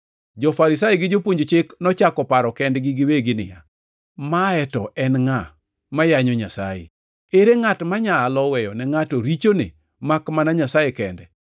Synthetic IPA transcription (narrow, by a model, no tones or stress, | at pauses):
d͡ʒɔfaɾɪs̬ajeɡɪd͡ʒopwoɲd͡ʒot͡ʃɪknɔt͡ʃakɔpaɾɔkɛndɡɪɡɪweɡɪnɪ̰ja̰ | maɛtɔ̰ʔɛnŋa | majaɲɔɲasa̰jḛ | eɾeŋatmaɲaːlɔwɛjɔnɛŋatoɾit͡ʃonḛ | makmanaɲasajekɛndɛ